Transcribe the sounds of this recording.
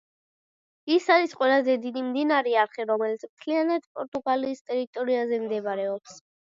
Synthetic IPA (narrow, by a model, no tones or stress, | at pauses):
isaɾisqʼwɛlˠazɛd̪id̪imd̪inaɾɛaɾχiɾɔmɛlit̪sʰmt̪ʰlianad̪pʼɔɾt̪ʼuɡaliːst̪ʼɛɾit̪ʼɔɾiazɛmd̪ɛbɾɛɔps